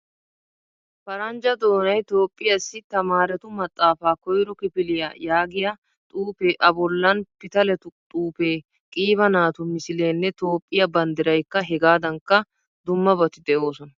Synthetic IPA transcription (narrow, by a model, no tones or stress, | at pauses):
fɐɾɐnd͡ʒɐd̪o̞ːnɐjt̪o̞ːpʼːɪjɐsːɪt̪ɐmaːɾɛt̪ʊmɐt̪ʼːaːfaːkɔjɾɔkɪpɪlɪja̰ːjaːɡɪjɐ | t̪ʼuːpeːʔɐbɔlːɐnpɪt̪ɐlɛt̪ʊt̪ʼuːpe̞ː | kʼiːβɐnaːt̪ʊmɪsɪleːnːɛt̪o̞ːpʼːɪjɐbɐnd̪ɪɾɐjkːɐɦɛɡaːd̪ɐŋkːɐ | d̪ʊmːɐbɔt̪ɪd̪ɛʔo̞ːsɔnɐ